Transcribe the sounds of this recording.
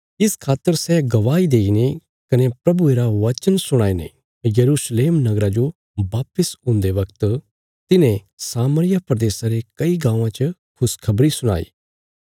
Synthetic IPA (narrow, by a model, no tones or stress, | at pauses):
ɪskʰaːt̪ːəɾsɛɡɐʋaːid̪eːine | kɐnepɾɐbueːɾaʋɐt͡ʃənsʊɽ̃aːinḛ | jɐɾuːsleːmnɐɡɾad͡ʒo | baːpəsʊ̃nd̪eʋɐkt̪ | t̪ɪnẽ | saːməɾɪjapɾɐd̪eːsãɾekɐiɡãːʋãt͡ʃəkʰʊskʰɐbɾisʊɽ̃a̰ːḭː